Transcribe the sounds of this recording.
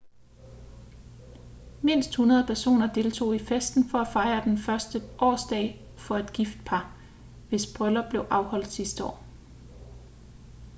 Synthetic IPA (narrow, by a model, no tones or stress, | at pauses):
me̝n̰sd̥hunɐð̞ˠpʰæɐso̝̰ːnɐd̥e̝lt͡sʰo̝̰ːifesd̥n̩fɒ̽æfɑ̈ɪɐd̥enfɶɐsd̥əʔɒ̰ːsd̥ɛ̰ɪ | fɒ̽e̝d̥ɡ̥ifd̥̚pʰɑ̈ | ʋe̝sb̥ʁœlɐb̥le̝ʊʔɑ̈ʊhɒ̽l̰d̥sisd̥əɒ̰ː